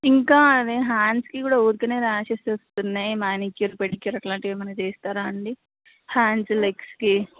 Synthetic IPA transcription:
iŋkaːd̪eɦaːnskikuːɽaːuːɾkɐneːɾaːʃɐsst̪unːaːjmaːnikjuɾpeʈikːjuɾɐʈlaːɳʈiʋimɐnɐt͡ʃeːst̪aːɾaːɳɖi | haːnslekski

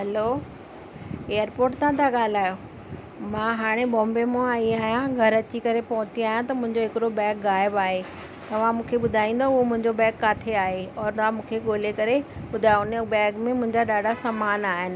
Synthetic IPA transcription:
ɦɐloː | eːəɾpoːɾʈt̪ʰãt̪ʰaɠaːl̤aːjo | mãɦaːɽ̃ebɔ̃ːmbemõaːiaːɦijãɡʱɐɾɐt͡ɕikɐɾepɐɦʊ̃t͡ɕiaːɦijãt̪ɐmʊ̃ɦɪ̃ɲd͡ʑoɦɪkɪɾobɛːkɣaːɪbaːɦe | t̪ɐʋ̤ãmũːkʰeɓʊd̪ʱaːĩːnd̪oʊɦomʊ̃ɦɪ̃ɲd͡ʑobɛːkːaːt̪ʰeaːɦeɔːɾnãmũːkʰeɠoːlekɐɾeɓʊd̪ʱaːʊnbɛːɡmẽmʊ̃ɦɪ̃ɲd͡ʑaɗaːɖʱasaːmaːnaːɦɪnɪ̆

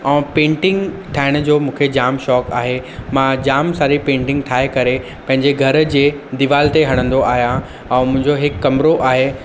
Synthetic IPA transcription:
ɛ̃ːpẽːɳʈɪ̃ŋɡʈ̪ʰaːɪɽ̃d͡ʑoːmũːkʰed͡ʑaːmʃɔːkaːɦemãd͡ʑaːmsaːɾipẽːɳʈɪ̃ŋɡt̪ʰaːekɐɾe | pɐ̃ɦɪ̃ɲd͡ʑeɡʱɐɾd͡ʑeːd̪iʋaːlt̪eɦɐɽ̃ə̃nd̪oʔaːɦijã | ɛ̃ːmʊ̃ɦɪ̃ɲd͡ʑoɦɪkːɐmɾoʔaːɦe

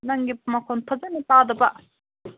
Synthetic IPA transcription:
naŋɡipamakʰont̪ʰət͡sanipad̪əpaʔ

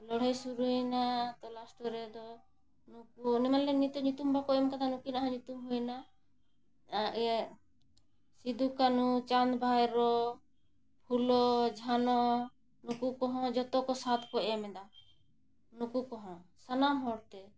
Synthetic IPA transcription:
lɔɽ̤ɛjsuɾunat̪ɔlasʈɔɾɛd̪ɔ | nukunɛmanlɛnit̪ɔɲut̪umbakɔɛmkad̪anukinaɦãɲit̪umɦujna | sid̪ukanut͡ʃand̪bʱajɾɔ | pʰulɔd͡ʒʱanɔ | nukukɔɦɔ̃d͡ʒɔt̪ɔkɔsat̪ʰkɔɛmɛd̪a | nukukɔɦɔ̃sanamɦɔɽt̪ɛ

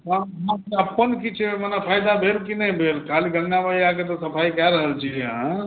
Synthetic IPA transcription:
ɦãɦãəpːənkit͡ʃʰemənapʰaːɪd̪abʱelkinəĩbʱeːlkaːliɡə̃ŋɡabaiaket̪osəpʰaːikjaɾəɦəlt͡ʃʰiɦeɦã

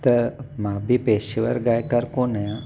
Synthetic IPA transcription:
t̪əmabipeʃiʋəɾɡajkəɾkonəjã

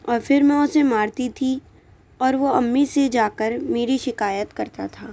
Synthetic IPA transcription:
ɔːɾfɪɾmɛ̃ʊsemaːɾt̪it̪ʰi | ɔːɾʋoɐmːised͡ʒaːkəɾmeːɾiʃɪkaːjət̪kɐɾt̪at̪ʰaː

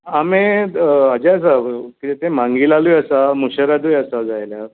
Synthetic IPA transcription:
amead͡ʑeəs̬akit̪et̪emãŋɡiːlalujasamuɕəɾad̪ujəsad͡zajlja

